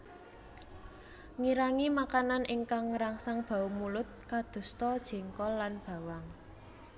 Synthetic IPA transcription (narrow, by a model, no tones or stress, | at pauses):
ŋiɾaŋimakananʔɪŋkaŋɾaŋsaŋb̥a̤umulʊt̪̚kad̪̥ṳst̪ɔd̥ʒ̥ɛ̤ŋkɔlːanb̥ä̤waŋ